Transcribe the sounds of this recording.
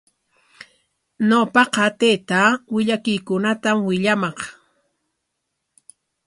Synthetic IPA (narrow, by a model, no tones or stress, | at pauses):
ɲowpɑqɑt̪ejt̪awɪʎakɪjkʊnat̪amwɪʎamɑq